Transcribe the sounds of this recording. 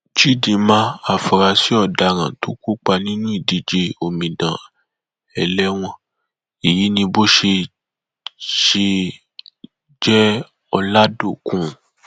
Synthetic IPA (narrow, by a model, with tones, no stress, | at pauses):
t͡ʃi˦˨dĩ˧mã˧˦a˨fɔ˨ɾa˧si˦ɔ˦˨da˧ɾ̃ã̰˨to˦ku˦k͡pa˧nĩ˦nũ˦i˦˨di˨d͡ʒe˧o˧mĩ˨dã˨ | ɛ˨lɛ˦w̃ɔ̃˧˦ | i˨ji˨˦nĩ˧bo˦ʃe˧ | ʃe˧ | d͡ʒɛ˦ | ɔ˧la˦do˦˨kũ˦˨